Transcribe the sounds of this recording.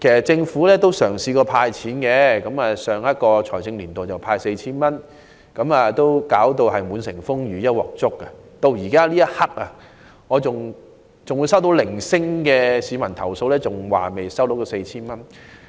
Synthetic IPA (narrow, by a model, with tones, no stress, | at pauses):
kʰe˨˩sɐ˨˩t̚t͡sɪ˧ŋfuː˨˥lɛː˥t̪o˥wsœː˨˩ŋsiː˨˧kɔː˧pʰaː˧jt͡sʰiː˨˥nkɛː˧kɐ˨˥maː˨sœː˨ŋjɐ˥t̚kɔː˧t͡sʰɔː˨˩jt͡sɪ˧ŋliː˨˩nt̪o˨˩t͡sɐ˨˩wpʰaː˧jse˧jt͡sʰiː˥nmɐ˥n | kɐ˨˥maː˨t̪o˥wkaː˨˥wt̪o˧wɦɐ˨jmuː˨˧nsɪ˨˩ŋfʊ˥ŋjyː˨˥jɐ˥t̚wɔ̰ː˨˩k̚t͡sʊ˥kːɐ˧t̪o˧wjiː˨˩kaː˥liː˥jɐ˥t̚hɐ˥k̚ɐ˧ | ŋɔː˨˧t͡sʊ˨ŋ | t͡sʊ˨ŋwu˨˧jsɐ˥wt̪o˨˥wlɪ˨˩ŋsɪ˥ŋkɛː˧siː˨˧mɐ˨˩nt̪ʰɐ˨˩wso˧wlɛː˥t͡sʊ˨ŋwa̰ː˨me˨˩jsɐ˥wt̪o˨˥wt̪o˧˥wse˧jt͡sʰiː˥nmɐ˥n